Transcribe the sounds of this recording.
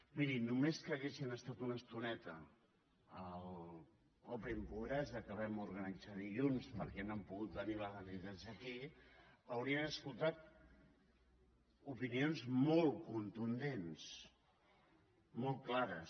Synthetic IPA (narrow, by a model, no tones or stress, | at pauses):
miɾinumeskəːɣesinəst̪at̪unəst̪unɛt̪əː | lˠ | kɔpɾimpuɣɾɛzðəkəβɛmuɾɣənid͡zaðiʎunspəɾkɛnəmpuɣut̪̚bəniβəɣənizazəki | əwɾiənəskulˠt̪at̪̚ | upinionzmɔlˠkunt̪und̪ens | mɔlˠt̪klaɾəs